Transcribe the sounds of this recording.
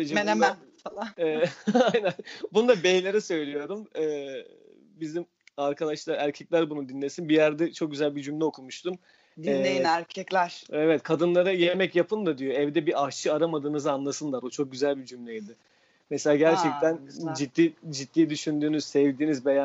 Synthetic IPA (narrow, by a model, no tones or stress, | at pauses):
ed͡ʒiemæ | faaajnænbunud̪abejlʲe̞ɾɛsø̞jlʲijo̞ɾd̪umː | bizim | aɾkʰad̪aʃlˠaɾæɾcʰɛclʲæɾbunud̪inlʲesinbijæɾd̪ɛt͡ʃʰo̞k̚ɟyzælʲbid͡ʒymlʲɛokʰumuʃt̪ʰum | d̪nɛejinæɾcʰɛclʲæɾ̥evɛt̪kʰad̪ɯnlˠaɾajemɛcjapʰɯnd̪ad̪ijoɛvd̪ɛbiat͡ʃʰɯaɾamad̪ɯːnɯzɯanlˠasɯnlˠaɾut͡ʃʰo̞k̚ɟyzælʲbid͡ʒymlʲɛjijd̪ɪ | meselʲaːɟæɾt͡ʃʰɛk̚t̪ʰænd͡ʒit̪ːiːd͡ʒit̪ːiːd̪yʃynd̪yːnyz̥sɛvd̪iːnizbeja